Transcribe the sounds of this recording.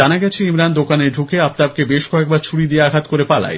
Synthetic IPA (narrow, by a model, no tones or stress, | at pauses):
anaɡɛt͡ɕʰeimɾand̪okaneɾɖʱukeap̚t̪ab̚kebeʃkɔek̚baɾt͡ɕʰuɽid̪ieaɡʱat̪koɾepala̰j